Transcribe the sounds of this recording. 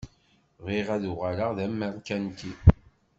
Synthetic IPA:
ʁiʁæðuʁaləʁðæmːælkːænt̪i

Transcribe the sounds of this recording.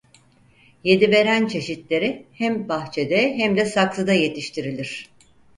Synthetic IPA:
je̞d̪ibe̞ɾænt͡ʃʰe̞ʃit̪lʲe̞ɾihæmbaxt͡ʃʰe̞d̪ɛɦæmd̪ɛsaklˠɯd̪aje̞t̪ʰiʃt̪ʰiɾilʲiɾ̝̥

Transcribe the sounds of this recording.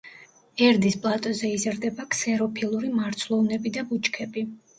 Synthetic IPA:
ɛɾd̪ispʼlˠat̪ʼɔzɛizɾd̪ɛbakʰsɛɾɔpʰilˠuɾimaɾt̪sʰlˠɔvnɛbid̪abut͡ʃʰʼkʰɛbi

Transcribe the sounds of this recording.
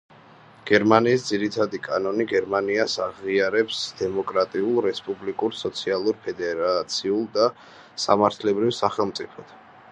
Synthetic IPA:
ɡ̥ɛɾmaniːsd̪ziɾit̪ʰad̪ikʼanɔniɡɛɾmaniasaʁiaɾɛpsd̪̥ɛmɔkʼɾat̪ʼiulˠɾɛspʼublikʼuɾsɔt̪sʰialˠuɾpʰɛd̪ɛɾat̪sʰiulˠd̪a | sa̰maɾt̪ʰlɛbɾivsaχɛlˠmt̪sʼipʰɔt̪ʰ

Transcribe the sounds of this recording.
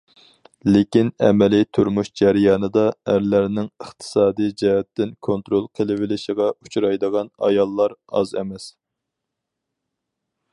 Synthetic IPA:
lekʲinɛ̰mɛlit̪ʰuɾmuʃd͡ʒæɾɪjɑːnɨd̪ɑæɾlæɾnɪŋəχt̪ʰɨ̥sɑːd̪ijd͡ʒɛɦɛt̪ːɪnkʰont̪ɾolˠqʰəlɪwɪlɪʃiʁɑut͡ʃʰɾɑjd̪əʁɑnɑ̰jɑlˠːɑɾɑ̰zɛ̰mɛs

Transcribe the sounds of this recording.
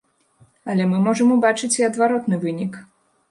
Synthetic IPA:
ɐlʲɛmɨmɔʐɐmubat͡ʂɨt͡sʲiɐd̪vaɾɔt̪nɨvɨnʲik

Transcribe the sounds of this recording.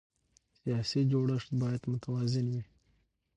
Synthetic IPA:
sijɑsid͡ʒoɽəʂt̪̚bɑjad̪mʊt̪awɑzɪnwi

